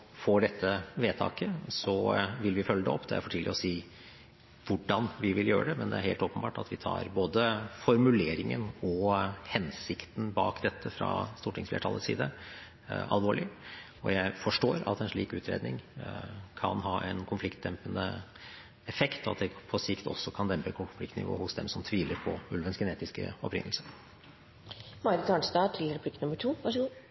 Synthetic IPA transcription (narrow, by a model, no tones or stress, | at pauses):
foːɖɛt̪ʰːəʋeːt̪ʰɑ̰ːkəsɔʋɪlʋɪfœlːəd̪ɛ̰ɔpːd̪ɛjæɪfoɔʈʰiːlɪɔsiː | ʋʊɖɑnʋɪʋɪljøːɾəɖ̪ɛmɛnd̪ɛ̰æɾheːlt̪oːpənbɑːʈɑt̪ʋɪt̪ʰɑ̰ːɾboːd̪əfɔɾmʉleːɾɪŋənɔhɛnsɪkt̪n̩bɑːkd̪ɛt̪ʰːəfɾɑ̰st̪uːʈʰɪŋsflḛːʈʰɑlːəsḭːd̪ə | ɑ̰lʋoːɭɪ | ɔ̰jæɪfɔʂʈoːɾɑ̰t̪ɛnʂɭiːkʉːt̪ʰɾḛːd̪nɪ̰ŋ | kʰɑnɦɑːʔɛnkʰʊnflɪkt̪̚d̪ɛmpənə̰ | ɛfɛkt̪ɔɑ̰t̪̚d̪ɛpʰɔsɪkt̪ʰɔ̰sːɔkʰɑnd̪ɛmpəkʰɔkʊflɪkt̪nɪ̰ʋo̰ːhʊsd̪ɛmsɔmt̪ʰʋiːləɾpʰɔʉlʋənsɡəneːt̪ɪskə̰ɔpɾɪ̰nl̩səɾ | mɑɾɪɑɳsd̪ɑːt̪ʰɪlɾɛpʰlɪkənʊmːəʈʰuːʋɑʂəɡu